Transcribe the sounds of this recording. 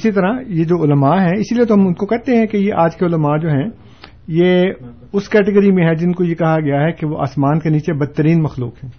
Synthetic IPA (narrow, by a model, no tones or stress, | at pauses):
ɪsit̪ɐɾajed͡ʒoːʊləmaɦɛɪsiliet̪oɦɐmʊnkokɛɦt̪eɦɛ̃kejeʔaːd͡ʒkeʊləmad͡ʒoːɦɛ̃ | je | ʊskɛːʈɪɡəɾimẽɦɛd͡ʒɪnkojekɐɦaɡɐjaɦɛkeʋoʔa̰ːsmaːnkeniːt͡ʃebɐd̪̚t̪ːəɾiːnmɐxlṵːkɦɛ̃ː